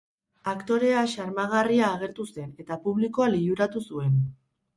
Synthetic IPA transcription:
akt̪o̞ɾe̞aʃaɾmaɣ̞ariaːɣe̞ɾt̪use̞ne̞t̪apuβliko̞aliʎuɾat̪usue̞n

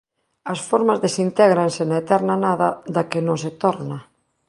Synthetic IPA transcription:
ɐsfɔɾmazðesint̪ɛɣɾansɪnaet̪ɛɾnanaðɐðakɪnõŋset̪ɔɾna

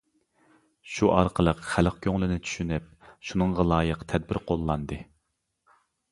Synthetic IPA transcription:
ʃuʔɑɾqʰəlˠəqχælqkʲʰøŋlˠɪnɪt͡ʃʰy̥ʃynɪp̚ʃunɨɴʁɑlˠɑːjəqt̪ʰɛd̪̚bɪɾqʰolˠːɑnd̪ɨ

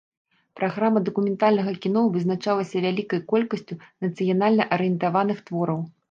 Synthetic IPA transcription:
pɾaɣɾamːɐd̪ɐkumʲɛnt̪alʲnɐɣɐkʲin̪ɔvɨznat͡ʂalˠɐsʲɐvʲalʲikɐjkɔlʲkɐsʲt͡sʲunɐt̪sɨjanalʲnɐʔɐɾɨjɛnt̪avanɨxt̪vɔɾɐw

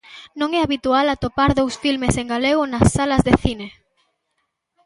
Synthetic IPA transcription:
nõŋɛaβit̪ualat̪opaɾðowsfilmeseŋɡaleɣʊnasːalɐzðeθine

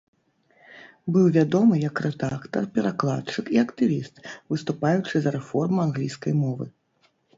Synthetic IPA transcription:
bɨwvʲad̪ɔmɨjɐkrɛd̪akt̪ɐrpʲɛɾaklˠa̰tt͡ʂɨkiɐkt̪ɨvʲist̪vɨst̪upajut͡ʂɨzɐɾɛfɔrmuanɣlʲijskɐjmɔvɨ

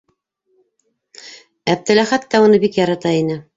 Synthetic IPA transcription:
æb̚t̪ɘ̆læχæt̪ːæunɤbikjɑɾɑt̪ɑinɘ

